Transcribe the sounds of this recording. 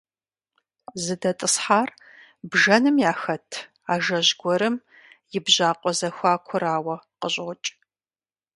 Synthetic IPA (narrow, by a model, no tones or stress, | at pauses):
zɨdɐtʼɨsħaːr | bʒɐnɨmjaːxɐtʰ | aːʒɐʑɡʷɔɾɨm | jɪbʑaːqʷʼɔzɐxʷaːkʷʰʊɾaːwɐqəɕʼt͡ʃʼ